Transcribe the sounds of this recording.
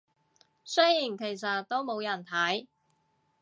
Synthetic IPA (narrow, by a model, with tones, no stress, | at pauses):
sɵ˥jiː˨˩nkʰe˨˩js̬ɐ˨t̪̚t̪ːo˥wmo˨˧wjɐ˨˩nt̪ʰɐ˨˥j